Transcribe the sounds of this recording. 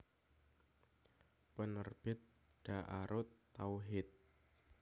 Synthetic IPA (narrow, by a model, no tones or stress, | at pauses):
pənərb̥ɪt̪̚ | ɖ̥aʔaɾʔʊt̪ːawɦɪt̪̚